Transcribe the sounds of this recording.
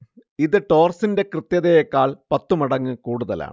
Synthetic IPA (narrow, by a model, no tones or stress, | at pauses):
iðɨʈo̞ːrsinde̞krɨt̪ːjɐðɐjekːaːɭpɐt̪ːumɐɽɐŋːɨkuːɽuðɐla̰ːɳ